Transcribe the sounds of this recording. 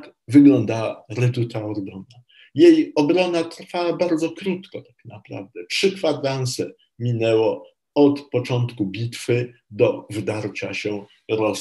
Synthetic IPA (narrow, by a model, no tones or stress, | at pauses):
ak | vɘɡlɔnd̪awaɾɛd̪ut̪aɔɡɡɔna | jejɔbɾɔnat̪ɾfawabaɾd̪zɔkɾut̪kɔt̪ḁknapɾa̰vd̪ɛpʂɘkfad̪ɾant̪sɛ | mʲinɛwɔ | ɔt̪pɔt͡ʂɔnt̪kubʲit̪fɘd̪ɔvd̪aɾt͡ɕaɕɛ | ɾɔs